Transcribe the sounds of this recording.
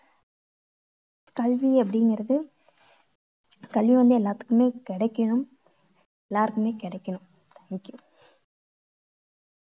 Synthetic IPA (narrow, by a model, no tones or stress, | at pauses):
kɐlʋiɐp̬ːɐɽɪŋɡɪɾɐðɯ | kɐlʋiʋɐnd̪ɯɛlːaːɾt̪ɯ̥kːɯmeːkɪɽɐkːɐɳɯm | ɛlːaːɾɯkːɯmeːkɪɽɐɪkːɐɳɯm | t̪ɐŋɪkːɯm